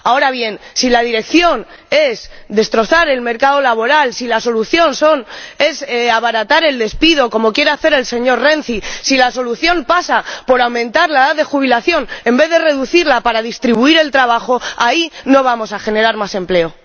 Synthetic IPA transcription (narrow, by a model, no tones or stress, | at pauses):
ao̞ɾaβje̞nsilað̞iɾe̞kθjo̞n | e̞sðe̞st̪ɾo̞θaɾe̞lme̞ɾkaðo̞laβo̞ɾalsilaso̞luθjo̞nso̞ne̞saβaɾat̪aɾe̞ld̪e̞spiðo̞ko̞mo̞kje̞ɾeaθe̞ɾe̞lse̞ɲo̞ɾre̞n̟θisilaso̞luθjo̞mpasapo̞ɾawmẽ̞nt̪aɾlaeðaðe̞xuβ̞ilaθjo̞ne̞mbe̞ðe̞re̞ðuθiɾlapaɾaðist̪ɾiβuiɾe̞lt̪ɾaβ̞axo̞aino̞β̞amo̞saxe̞ne̞ɾaɾmase̞mple̞o̞